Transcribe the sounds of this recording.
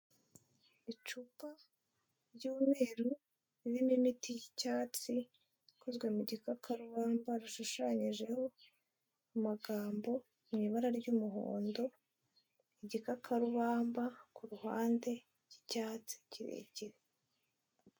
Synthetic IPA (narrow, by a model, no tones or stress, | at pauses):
it͡ʃupa | ɾɟuːme̞ːɾu | iβinimitijicaːt͡si | kʰozɡwe̞muɟikakʰaɾuβaːmbaɾuʃuʃaɲiʒe̞ho̞ | umaɡaːmbo̞ | mŋiːβaɾaɾɟuːmuɦo̰ːndo̞ | iɟikakʰaɾuβaːmbakuɾuha̰ːnde̞ | ɟ̥icaːt͡si̥ciɾḛːɟiɾe